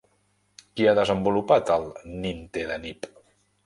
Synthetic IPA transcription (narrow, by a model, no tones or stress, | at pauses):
kiaðəzəmbulupat̪əlˠnint̪eðənip